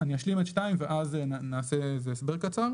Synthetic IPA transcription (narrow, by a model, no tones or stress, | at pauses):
aniaʃlimet̪ʃtaimveʔaznaːseezeːsbeʁkat͡saʁ